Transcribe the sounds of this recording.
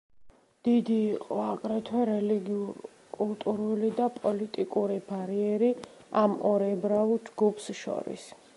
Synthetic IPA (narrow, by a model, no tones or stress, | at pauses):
d̪̥id̪iːqʼɔakʼɾɛt̪ʰɛɾɛliɡi | kʼult̪ʼuɾulid̪apʼɔlit̪ʼikʼuɾibaɾiɛɾi | amɔɾɛbɾaud͡ʒɡupʰsʃɔ̰ɾḭs